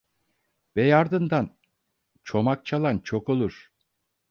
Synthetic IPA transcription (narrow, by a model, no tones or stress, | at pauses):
vɛjaɾd̪ɯnd̪an | t͡ʃʰo̞mak̚t͡ʃʰalˠant͡ʃʰo̞ko̞lˠuɾ̥